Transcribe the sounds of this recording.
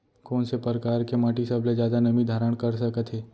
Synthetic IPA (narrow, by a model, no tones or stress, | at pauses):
koːnsepəɾəkaːɾkemaːʈisɐbled͡ʒjaːd̪anɐmid̪ʱaːɾəɽ̃kəɾsəkət̪ɦɛː